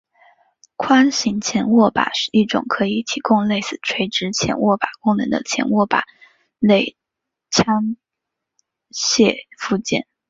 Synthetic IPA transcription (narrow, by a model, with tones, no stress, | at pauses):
kʰwa˥nɕi˧˥ŋt͡ɕʰjɛ˧˥nwɔ˥˩pa̰˨˩ʂɻ̩˥˧ʔi˥˩ʈ͡ʂʊ̰˨˩ŋkʰɤ˧˥i˨˩t̪ʰi˧˥kʊ˥˧ŋle˥˩ɪsɹ̩˨˩ʈ͡ʂʰwe˧˥ɪʈ͡ʂɻ̩˧˥t͡ɕʰjɛ̰˧˥nwɔ˥˩pa˨˩kʊ˥ŋnɤ̰˧˥ŋd̪ə̰˧t͡ɕʰjɛ̰˧˥nwɔ˥˩pa̰˨˩˦ | le˥˩ɪ | t͡ɕʰja˥ŋ | ɕjɛ˥˧fu˥˧t͡ɕjɛ̰˥˩n